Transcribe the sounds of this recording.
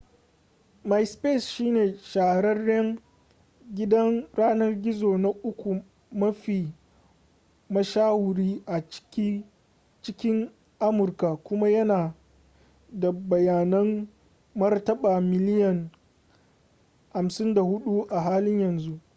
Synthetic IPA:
ma˨jspe˦˨sʃiː˦neː˨ʃaː˨ɽɐ˦rːɛ˦ŋ | ɡʲɪ˦dɐ˦ŋɾaː˦nɐ˦rɡʲɪ˦zoː˨na˦ʔʊ˦kʷu˨ | mɐ˦ɸiː˨ | mɐ˦ʃaː˦wʊ˨ɽiː˦ʔḁ˨˦ | t͡ʃɪ˦kʲɪ˦ŋ | ʔa˦mʊ˨rka˨kʷʊ˦ma˦jɐ˦naː˨ | da˨bɐ˨jaː˨nɐ˦mː | ɐ˦rtɐ˦ɓaː˨mɪ˨lɪ˦jɐ˨ŋ | ha˨msɪ˦nda˨hʊ˦ɗu˦ʔa˨ɦaː˦lɪ˦ɲjɐ˨nzu˦ʔ

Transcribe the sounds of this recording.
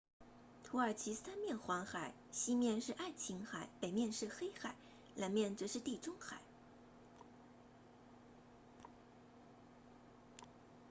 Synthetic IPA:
t̪ʰu˧˥ə˞˨˩t͡ɕʰi˧˥sa˥nmjɛ˥˩nxwɑ˧˥ŋxa˨˩˦ɪɕi˥mjɛ˥˧nʂɻ̩˥˧ʔa˥˩ɪt͡ɕʰi˧˥ŋxa˨˩˦ɪpe˨˩ɪmjɛ˥˧nʂɻ̩˥˩xe˥ɪxa˨˩˦ɪ | la˧˥nmjɛ˥˩nt͡sɤ˧˥ʂɻ̩˥˧t̪i˥˩ʈ͡ʂʊ˥ŋxa˨˩˦ɪ

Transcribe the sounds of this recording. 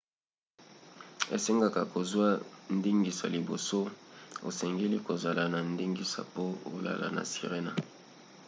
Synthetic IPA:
ḛ˨se˦ŋɡa˦ka˨ko˨zwa˦n˦di˦ŋɡi˨sa̰˨li˨bo˨so˦o̰˨sɛ˨ŋɡe˦li˦ko˨za˨la˨na˨ndi˦ŋɡi˦sa̰˨po˦o˦la̰˨la̰˨na̰˨si˨ʁe˦na̰˨

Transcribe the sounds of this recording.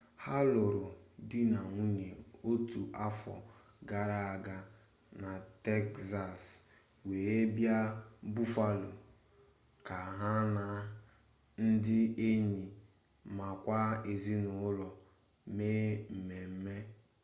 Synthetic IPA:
ha˦lʊ˨ɾʊ˨dɪ˦na˨ŋʷu˦ɲe˨o˦tu˨ʔa˦fɔ̰˨ | ɡa˦ɾa˦a˨ɡa˦ | na˨te˦kza˨s | we˨ɾe˦bja˦bu˦fa˦lo̰˨ | ka˨ɦa˦na˨ | n̩˦dɪ˦e˦ɲi˨ | ma˨kʷa˦e˨zi˦nʊ˨˦lɔ˨ | meː˦m̩˨me˨m̩˦me˦

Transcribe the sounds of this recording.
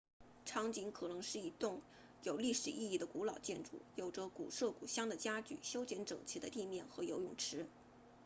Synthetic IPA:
ʈ͡ʂʰɑ˧˥ŋt͡ɕi˧˥ŋkʰɤ˨˩nɤ˧˥ŋʂɻ̩˥˩i˧˥t̪ʊ˥˩ŋ | jo˨˩ʊli˥˩ʂɻ̩˨˩ʔi˥˧i˥˩d̪ə˩ku˧˥lɑ˨˩ʊt͡ɕjɛ˥˧nʈ͡ʂṵ˥˩jo˨˩ʊʈ͡ʂə˦kṵ˨˩ʂɤ˥˩kṵ˨˩ɕjɑ˥ŋd̪ə˨t͡ɕja˥t͡ɕy̰˨˩ɕjo˥ʊt͡ɕjɛ˧˥nʈ͡ʂɤ̰˨˩ŋt͡ɕʰi˧˥d̪ə˧t̪i˥˧mjɛ˥˩nxɤ˧˥jo˧˥ʊjʊ˨˩ŋʈ͡ʂʰɻ̩˧˥

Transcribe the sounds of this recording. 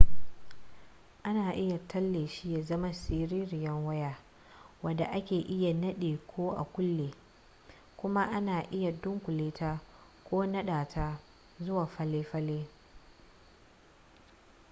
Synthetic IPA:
ʔa˦naː˨ʔɪ˦ja˨tʰɐ˦lːeː˨ʃi˦ja˨zɐ˦ma˦siː˦ɾiː˦ɾɪ˨jɐ˦ŋwɐ˦jaː˦ | wɐ˨da˨ʔa˦kʲeː˨ʔɪ˦ja˨nɐ˦ɗeː˨kʷʰoː˦ʔa̰˨kʷʊ˦lːeː˨ | kʷʊ˦ma˦ʔa˦naː˨ʔɪ˦ja˨dʊ˦ŋkʷʊ˨leː˦taː˦ | kʷoː˦nɐ˦ɗaː˨tʰa˦ | zʊ˦waː˨ɸɐ˦leː˦ɸɐ˦leː˦

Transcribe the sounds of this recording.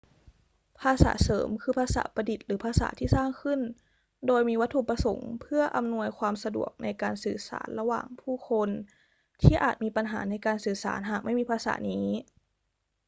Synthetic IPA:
pʰaː˧sa̰ː˩˦sɤː˩˦mkʰɯː˧pʰaː˧sa̰ː˩˦pa˧di˨˩t̪̚lɯː˩˦pʰaː˧sa̰ː˩˦t̪ʰiː˥˩saː˥˩ŋkʰɯ˥˩n | doː˧jmiː˧wa˦˥t̪ʰːu˧˩pa˧so̰˩˦ŋpʰɯ˥˩ɐʔa˧mnu˧əjkʰwaː˧msa˧dṵ˨˩ək̚na˧jkaː˨nsɯː˨˩sa̰ː˩˦nla˧wa̰ː˨˩ŋpʰuː˥˩kʰo˧n | t̪ʰiː˥˩ʔa̰ː˨˩t̪̚miː˧pa˧nɦa̰ː˩˦na˧jkaː˨˧nsɯː˨˩sa̰ː˩˦nɦaː˨˩k̚ma˥˩jmiː˧pʰaː˧sa̰ː˩˦niː˦˥

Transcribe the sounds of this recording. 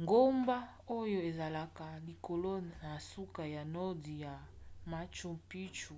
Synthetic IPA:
ŋɡo˦mba˦ | o˦jo˦e˨za˨la˨ka˨li˨ko˨lo˦na˨su˦ka˨ja˨nɔ˦di˨ja˨ma˨t͡ʃo˨mpi˦t͡ʃu˨

